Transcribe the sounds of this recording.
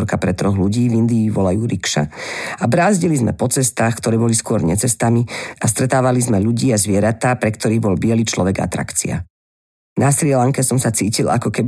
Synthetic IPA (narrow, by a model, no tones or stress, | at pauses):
ɾkapɾɛt̪ɾɔɣluɟiːvind̪iːʋɔlajuːɾikʃa̰abɾaːzɟilizmɛ̰pɔt͡sɛst̪aːxkt̪ɔɾɛːbɔliskʊɔɾɲɛt͡sɛst̪amiast̪ɾɛt̪aːʋalizmɛʎuɟiːazʋɪɛɾat̪aːpɾɛkt̪ɔɾiːɣbɔlbɪɛliːt͡ʃlɔʋɛɡa̰t̪ɾa̰kt͡sḭa̰ | nasiɾɪɛlaŋkɛsɔmsat͡siːcila̰kɔkɛb